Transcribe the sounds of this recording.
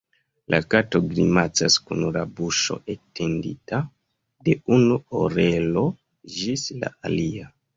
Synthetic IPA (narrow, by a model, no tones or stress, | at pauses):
lʔakato̞ɡɾimat͡saskunɾabuʃo̞̰ʔetʰendḭta | de̞unuoɾelo̞ | d͡ʒisla̰alia